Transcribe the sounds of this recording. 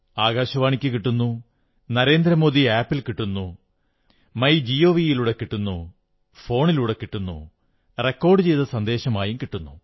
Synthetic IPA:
aːɣaːɕɐʋaːɳikʲːɨkiʈːunːu | nɐɾe̞ːnd̪ɾɐmo̞ːd̪iaːpːilkiʈːunːu | mɐjd͡ʑio̞ːʋijiluɽekiʈːunːu | fo̞ːɳiluɽekiʈːunːṵ | re̞kːo̞ːrɖɨt͡ɕe̞jt̪ɐsɐnd̪e̞ːɕɐmaːjumkiʈːunːu

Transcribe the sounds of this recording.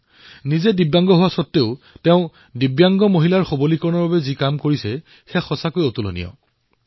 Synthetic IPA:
nizedibjaŋɡɔɦʊwasɔtːeʊ | tɛʊ̃ | dibjaŋɡɔmoɦilaɹxobolikɔɹɔnɔɹbabɛzikamkoɹisɛ | xɛxɔsakojotulo̰nḭɔ̰

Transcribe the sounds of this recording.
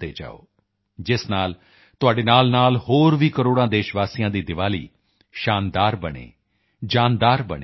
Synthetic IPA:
eːd͡ʒa̰ːo̰ː | d͡ʒɪsnaːl | t̪ʊaːɖeːnaːlnaːlhoːɾʋiːkəɾoːɽ̃ãːd̪eːʃʋaːsijãːd̪iːd̪ɪʋaːlḭː | ʃaːnd̪aːɾbəɽ̃ḛː | d͡ʒaːnd̪aːɾbəɳe

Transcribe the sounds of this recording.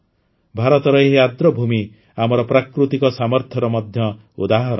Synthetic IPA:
bʱaɾɔt̪ɔɾɔeɦiad̪ɾɔbʱumi | amɔɾɔpɾakɾut̪ikɔsamɔɾt̪ʰjɔɾɔmɔd̪ʱjɔ | ud̪aɦɔɾɔ

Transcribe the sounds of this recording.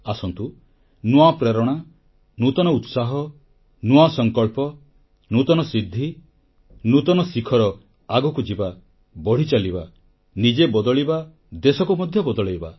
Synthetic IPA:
asɔnt̪u | nuapɾeɾɔɽ̃a | nut̪ɔnɔut̪saɦɔ | nuasɔŋkɔɭpɔ | nut̪ɔnɔsid̪ʱːi | nut̪ɔnɔsikʰɔɾɔ | aɡɔkud͡ʒiba | bɔɽ̤it͡ʃaliba | nid͡ʒebɔd̪ɔɭiba | d̪esɔkumɔd̪ʱjɔbɔd̪ɔɭejba

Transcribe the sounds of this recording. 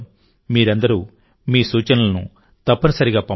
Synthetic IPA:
miːɾɐnd̪ɐɾuː | miːsuːt͡ʃɐnɐlɐnṵ | t̪ɐpːɐnɐsɐɾiɡaːpɐ

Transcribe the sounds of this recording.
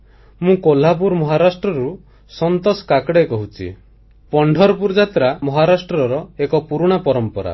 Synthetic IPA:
mũkolap̬uɾmɔɦaɾasʈɾɔɾu | sɔnt̪ɔsɔ̥kakɽekɔɦut͡ʃʰḭ | pɔɳɖʱɔɾpuɾd͡ʒat̪ɾamɔɦaɾasʈɾɔɾɔekɔpuɾuɽ̃apɔɾɔmpɔɾa̰

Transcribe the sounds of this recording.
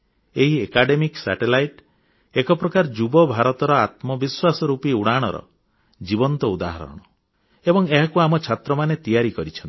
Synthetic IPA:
eɦiekaɖemiksa̰ʈelajʈ | ekɔpɾɔkaɾd͡ʒubɔbʱaɾɔt̪ɔɾɔat̪mɔbiswasɔɾupiuɽ̃aɽ̃ɔɾɔ̰ | d͡ʒibɔnt̪ɔud̪aɦa̰ɾɔ̰ɽ̃ɔ | ebɔŋeɦakuamɔt͡ʃʰat̪ɾɔmanet̪ijaɾikɔɾit͡ʃʰɔnt̪i

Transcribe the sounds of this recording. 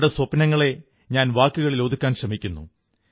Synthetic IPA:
ɽeswɐpːnɐŋːɐɭe̞ | ɲaːnʋaːkːuɣɐɭiloːd̪ukʲːaːnɕrɐmikʲːunːṵ

